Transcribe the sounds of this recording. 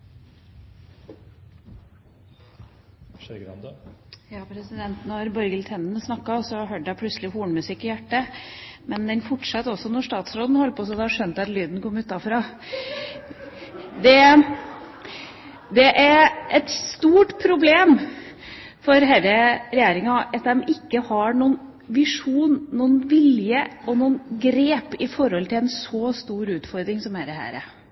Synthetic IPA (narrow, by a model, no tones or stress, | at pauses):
ɡ̰̪jɑːpʰɾɛsɪd̪ɛnt̪nɔɾbɔɾɡəlt̪ʰɛnnsnɑkːɑsɔɦøːɖəæpʰlʉt̪slɪhuːɳmʉsɪkːɪjæʈːəmɛnd̪ɛnfɔʈʂɑt̪ːɔsɔnɔʂt̪ɑːt̪sɾoːd̪n̩hɔlːəpʰɔsɔd̪ɛɑʂœnt̪ɑt̪lyːd̪n̩kɔmːʉːt̪ɑfɾɑː | d̪ɛ | d̪ɛʔæɾɛt̪st̪uːʈpʰɾʊbleːm | fɔɾɦæɪɾəɾɛjeːɾɪŋɑʔɑt̪d̪ɛmɪkːəhɑɳuːn | ʋɪʂuːnːuːnʋɪljəɔnuːnɡɾeːpɪfɔɾɔlt̪ʰɪlɛnsɔst̪uːɾʉːt̪fɔɾd̪ɾɪŋsɔmæɾd̪ɛhæ̰ːɾə̰